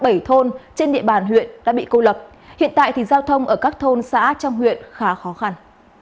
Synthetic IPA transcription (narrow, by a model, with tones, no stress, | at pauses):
ɓə˧˩jt̪ʰo˧nt͡ɕe˧nɗḭ˧əɓaː˨˩nɦwḭ˧˨ənɗa̰ː˧˥ɓḭ˧˨ko˧wlə˨˩p̚ | hḭ˧˨ənt̪a̰ː˧˨jt̪ʰi˨˩zaː˧wt̪ʰə˧wŋ͡mʔəː˧˩kaː˦˥k̚t̪ʰo˧nsa̰ː˧˥t͡ɕɔ˧wŋ͡mhwḭ˧˨ənxaː˨˦xɔ˨˦xa˧˩n